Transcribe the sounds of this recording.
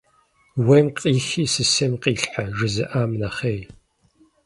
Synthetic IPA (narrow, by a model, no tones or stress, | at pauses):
wɐmqʼiːɬiːsɨsɐmqʼiːɬħaʒɨzɨʔaːmnaχeːj